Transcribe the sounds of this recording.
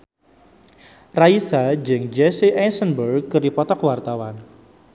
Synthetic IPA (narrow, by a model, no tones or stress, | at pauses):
raisad͡ʒəŋd͡ʒɛsiʔɛnsənbərɡkːɨrdipɔt̪ɔkwart̪awan